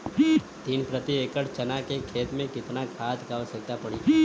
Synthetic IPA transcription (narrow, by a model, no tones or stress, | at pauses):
t̪iːnpɾət̪iekəɽt͡ʃənakekʰeːt̪mẽkɪt̪nakʰat̪kaʋsək̚t̪apəɽi